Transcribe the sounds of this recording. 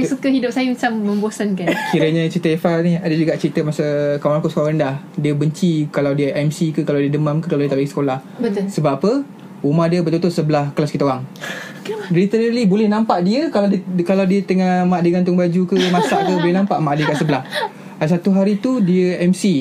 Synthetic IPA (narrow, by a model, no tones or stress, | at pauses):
sukəɦidʊp̚sajəmat͡ʃamːə̃mbosankankiɾəɲãt͡ʃɾit̪əefalniadad͡ʒuɡaʔt͡ʃəɾit̪əmasakamaɾkoʔskoɾandah | diəbəɲt͡ʃikalawdiəʔɛmsikəkalawdiədəmamkəkalawdiət̪alaɡisə̥kolah | bəsəbapə | umahdiəbərt̪ut̪ʊʔ̪səbəlahkəlaskit̪aoɾaŋ | ɾit̪əɾəlibolɛhnãmpaʔdiəkaladəkalawdiət̪əŋamaʔdəŋant̪ʊŋbad͡ʒukəmasaʔkəbolɛhnãmpaʔmaʔdəkaʔsəbəlah | adasat̪uɦaɾit̪udiəɛmsi